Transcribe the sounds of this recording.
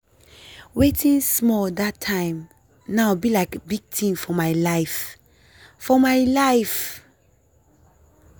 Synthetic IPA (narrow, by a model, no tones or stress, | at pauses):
wetĩnsmɔldatʰːãɪ̃m | naʊbilaɪkbiɡ̚tʰĩnfɔmaɪlaɪf | fɔmaɪlaɪf